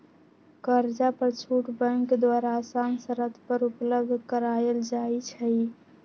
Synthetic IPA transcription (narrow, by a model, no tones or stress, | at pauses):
kəɾd͡ʒapəɾt͡ʃʰuʈbə̃ŋkd̪waɾaːsansəɾət̪ʰpəɾupləb̚d̪ʱkəɾaeld͡ʒajt͡ʃʰəj